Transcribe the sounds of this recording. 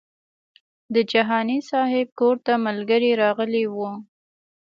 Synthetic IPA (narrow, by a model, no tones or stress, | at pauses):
d̪əd͡ʒaɦɑnisɑɦɪb̚koɾt̪amalɡəɾeɾɑɣəlewu